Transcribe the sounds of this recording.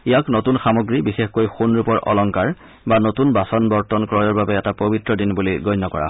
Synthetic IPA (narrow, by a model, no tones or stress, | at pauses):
ijaknotunxamoɡɹibixexkojxunɹupɔɹʔɔ̰lɔŋkaɹ | banotunbasɔnbɔɹtɔnkɹɔjɔɹbabɛɛtapobitɹɔdinbuliɡɔjnːɔkɔ̰ɹa̰ɦ